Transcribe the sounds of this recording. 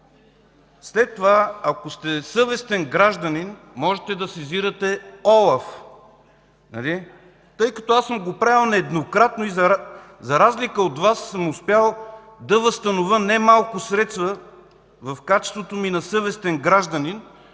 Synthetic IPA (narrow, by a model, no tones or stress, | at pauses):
slɛt̪ːovaɐkost̪ɛsɤvɛst̪ɛnɡɾaʒd̪ənin | mɔʒɛt̪ɛd̪ɐsɛziɾɐt̪ɛɔlˠɐf | nɐ̰li | t̪ɤjkɐt̪ɔasəmɡopɾaɛlˠnɛːd̪nokɾat̪noizɐzɐɾazlikəot̪vasːəmʊspjalˠ | d̪ɐvəst̪ɐnovənɛmalˠkʊsɾɛt̪st̪və | vɐfkat͡ʃɛ̥st̪vot̪ominɐsɤvɛst̪ɛnɡɾaʒd̪ɐnin